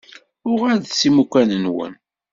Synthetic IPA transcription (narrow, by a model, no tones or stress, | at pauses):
ʊʁæðsimukʷænənwə̰n